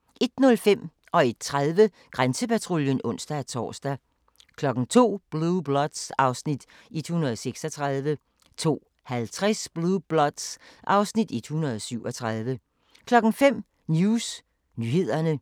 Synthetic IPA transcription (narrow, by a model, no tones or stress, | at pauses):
ʔe̝d̥nɔ̽lfem̰ | ɒ̽e̝d̥̚t͡sʰʁaðˠʋə | ɡ̥ʁansəpʰæt͡sʰʁoljənɔ̽n̰sd̥æt͡sʰɒ̰ːsd̥æ | kʰlɒ̽ɡ̥n̩t͡sʰo̝̰ːb̥lub̥lɒd̥sɑ̈ʊsnid̥ | ed̥hunɐðˠseɡ̥sɒ̽t͡sʰʁɑð̞ˠʋə | t͡sʰo̝̰ː | hælt͡sʰʁasb̥lub̥lɒ̽d̥sʔɑ̈ʊsnid̥ed̥hunɐðˠɒsyʊ̰ɒ̽t͡sʰʁað̞ˠʋə | kʰlɒ̽ɡ̥n̩fem̰ | njuːs | nyːhe̝ð̞̰ˠɐnə